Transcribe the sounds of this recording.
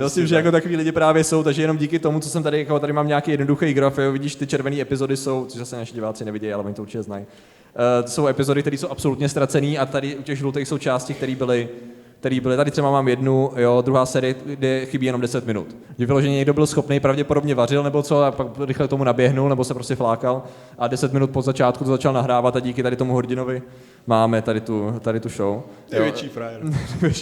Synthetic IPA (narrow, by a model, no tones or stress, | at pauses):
ɪlsɪmʒɛjakot̪akoviːlɪɟɪpɾaːvjɛso̞wt̪aɡʒɛjɛno̞mɟiːkɪt̪o̞mut͡sosɛmt̪adɪjakot̪adɪmaːmɲaakejɛdnoduxɛjɡɾafjovɪɟiːʃt̪ɪt͡ʃɛɾvɛniːɛpɪzo̞dɪso̞wtt͡soʒzasɛnaʃɪɟɪvaːt͡sɪnɛvɪɟɛjalɛʔoɲɪt̪ouɾt͡ʃɪcɛzna̰j | t̪so̞wɛpɪzo̞dɪkt̪ɛɾiːso̞wʔapso̞lut̪ɲɛst̪ɾat͡sɛniːʔat̪adɪʔucɛɣʒlut̪ɛxso̞wt͡ʃaːscɪk̚t̪ɛɾiːbɪlɪ | k̚t̪ɛɾiːbɪlɪt̪adɪt̪rɛbamaːmjɛdnujod̪ɾuɦaːsɛːɾɪjɛdɛxɪbiːjɛno̞mdɛsɛt̪mɪnṵt̪ɪvɪlo̞ʒɛɲɛɲɛɡdo̞bɪlsxo̞pnejpɾavɟɛpodo̞bɲɛvar̝ɪlnɛbo̞t͡so̞apakɾɪxlɛkt̪omunabjɛɦnulnɛbo̞sɛpɾo̞scɛflaːkal | ʔadɛsɛt̪mɪnut̪̚pozat͡ʃaːt̪kut̪ozat͡ʃalnaɦɾaːvat̪aɟiːkɪt̪aɾɪt̪o̞muɦoɾɟɪno̞vɪ | maːmɛt̪adɪt̪ut̪adɪt̪uʃow | vvjɛt͡ʃifɾajɾvɛt͡ʃi